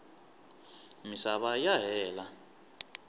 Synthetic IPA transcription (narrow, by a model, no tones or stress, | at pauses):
misaɓajaɦɛːla